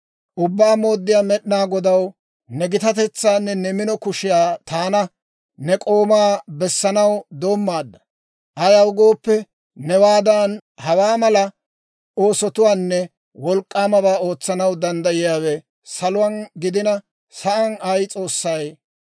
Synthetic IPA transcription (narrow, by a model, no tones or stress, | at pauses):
ʔʊbːaːmo̞ːd̪ːɪjaːmɛɗnaːɡɔd̪ɐw | nɛɡɪt̪ɐt̪ɛt͡sːaːnːɛnɛmɪnɔkʊʃɪjaːt̪aːnɐ | nɛkʼo̞ːmaːbɛsːɐnɐwd̪o̞ːmːaːd̪ːɐ | ʔɐjɐwɡo̞ːpːɛ | nɛwaːd̪ɐnhɐwaːmɐlɐ | o̞ːsɔt̪ʊwaːnːɛ | wɔlkʼːaːmɐbaːo̞ːt͡sːɐnɐwd̪ɐnd̪ɐjɪjaːwɛ | sɐlʊwaːnɡɪd̪ɪnɐ | sɐʔɐnɐjt͡sʼo̞ːsːɐj